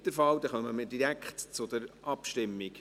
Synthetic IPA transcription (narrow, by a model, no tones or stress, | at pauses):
d̥̪əfɑwd̪ɛχœməmɪd̥iɾækχtt͡sʊd̥̪əɾʔɑpʃtɪmːiɡ